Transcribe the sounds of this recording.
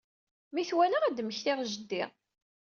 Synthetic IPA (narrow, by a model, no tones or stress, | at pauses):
miθwælaæd̪məçθɪʁʒəd̪ːɪ̰ʁ